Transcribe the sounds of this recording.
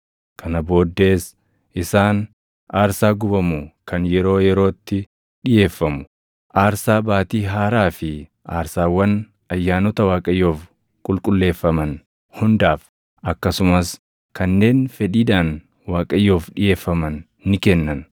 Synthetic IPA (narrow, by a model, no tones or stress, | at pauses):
kʰɐnɐbo̞ːd̪ːe̞ːs | ʔɪsaːn | ʔaːɾsaːɡʊbɐmukɐnjɛɾo̞ːjɛɾo̞ːt̪ːɪ | ᶑɪje̞ːfːɐmʊ̥ | ʔaːɾsaːbaːt̪iːɦaːɾaːfɪ | ʔaːɾsaːwːɐn | ɐjːaːnɔt̪ɐwaːkʼɐjːoːf | kʼʊlkʼʊlːe̞ːfːɐmɐn | hʊnd̪aːf | ʔɐkːɐsʊmɐs | kɐnːe̞ːnfɛᶑiːᶑ̪aːn | waːkʼɐjːoːfᶑɪje̞ːfːɐmɐnː | ɪkɛnːɐn